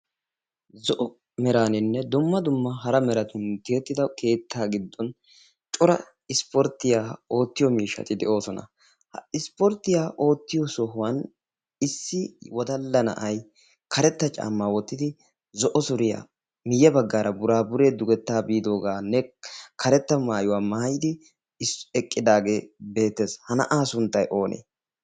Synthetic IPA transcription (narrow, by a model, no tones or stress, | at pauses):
zɔʔɔ | mɛɾaːnɪnːɛd̪ʊmːɐd̪ʊmːɐɦɐɾɐmɛɾɐt̪ʊnt̪eːt̪ːɪd̪ɐke̞ːt̪ʰːaːɡɪd̪ːɔn | t͡ʃʼʊɾɐ | ɪspɔɾt̪ːɪjaːo̞ːt̪ːɪjɔmiːʃːɐ̰t̪ɪd̪ɛʔo̞ːsɔnɐ̰ | hɪspɔɾt̪ːɪjaːʔo̞ːt̪ːɪjɔsɔɦʊwɐn | ɪsːɪwɔd̪ɐlːɐnɐ̰ʔɐj | kʰɐɾɛt̪ːɐt͡ʃʼa̰ːmːaːwɔt̪ːɪd̪ɪ | zɔʔɔsʊɾɪja̰ | mɪjːɛbɐɡːaːɾɐbʊɾaːbʊɾeːd̪ʊɡɛt̪ːaːbiːd̪o̞ːɡaːnɛkʰɐɾɛt̪ːɐmaːjʊwaːmaːjɪd̪ɪ | ɪsɛkʼːɪd̪aːɡe̞ːbe̞ːt̪ːe̞ːshɐnɐ̰ʔaːsʊnt̪ːɐjʔo̞ːnʔḛː